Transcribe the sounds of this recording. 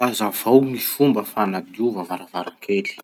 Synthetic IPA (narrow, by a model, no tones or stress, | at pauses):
azav̥awmifumbəfanad̪uvavaɾavaɾakʰeli̥